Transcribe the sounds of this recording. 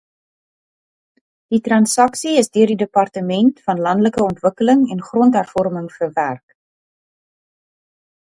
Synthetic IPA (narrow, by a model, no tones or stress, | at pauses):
d̥itrɐnsɐksiəsdøərdidəpɑrtəmɛntfɐnlɐndləkəɔntvəkələŋɛnχrɔntɦærfɔrməŋfərværk